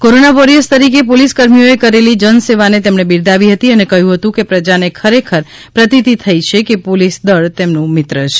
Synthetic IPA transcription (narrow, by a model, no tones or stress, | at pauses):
koɾonaʋoɾiəst̪əɾikepoliskəɾmijoekəɾelid͡ʒənseʋanet̪emɳebiɾd̪aʋiɦət̪iənekəɦjũɦət̪ũkepɾəd͡ʒanekʰəɾekʰəɾ | pɾət̪it̪it̪ʰəjt͡ʃʰekepolisd̪əɭt̪emnũmɪt̪ɾət͡ʃʰe̥